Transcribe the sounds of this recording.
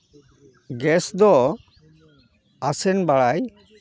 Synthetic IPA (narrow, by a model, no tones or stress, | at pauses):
ɡɛsd̪ɔ | asɛnbaɭaj